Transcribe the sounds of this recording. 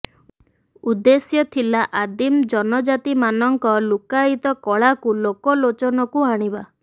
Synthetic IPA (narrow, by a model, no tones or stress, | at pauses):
ud̪esjɔt̪ʰilaʔad̪imd͡ʒɔnɔd͡ʒat̪imanɔŋkɔlukait̪ɔkɔɭakulokɔlot͡ʃɔnɔkuaɽ̃iba